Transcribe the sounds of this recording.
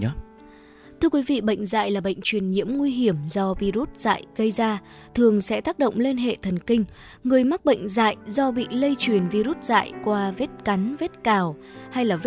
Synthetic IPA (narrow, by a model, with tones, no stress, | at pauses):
t̪ʰɨ˧əkwi˨˦vḭ˧˨ɓə̰˧˨jŋ̟za̰ː˧˨jlaː˨˩ɓə̰˧˨jŋ̟t͡ɕwi˨˩ənɲḭ˧˥əmŋwi˧ɦi˧˩əmzɔ˧vi˧ɾu˦˥t̚z̥a̰ː˧˨jɣə˧jzaː˧ | t̪ʰɨ˨˩əŋsɛ̰˧˥t̪aː˦˥k̚ɗo̰˧˨wŋ͡mli˧nɦḛ˧˨t̪ʰə˨˩nkï˧ŋ̟ | ŋɨ˨˩əjma˦˥k̚ɓə̰˧˨jŋ̟za̰ː˧˨jzɔ˧ɓḭ˧˨lə˧jt͡ɕwi˨˩ənvi˧ɾu˦˥t̚z̥a̰ː˧˨jkwaː˧ve˦˥t̚ka˨˦nve˦˥t̚kaː˨˩w | ha˧jlaː˨˩v